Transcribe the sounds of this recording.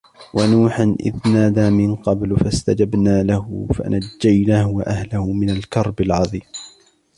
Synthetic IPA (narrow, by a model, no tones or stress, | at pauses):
wʔanuːħanʔɪ̰ðnaːd̪aːmɪnqɑblfast̪ad͡ʒabnaːlahʊfa̰nad͡ʒːajnaːhʊwaʔahlahʊmɪnalkɑɾˤbɪlʕɑðˤiːm